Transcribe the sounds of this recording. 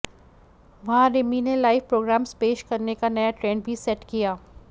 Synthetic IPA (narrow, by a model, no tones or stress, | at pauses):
ʋɐɦãɾɪminelaːɪʋpɾoːɡɾaːmspeːʃkɐɾnekanɐjaʈɾẽːɳɖ̚bʱisɛʈkijaː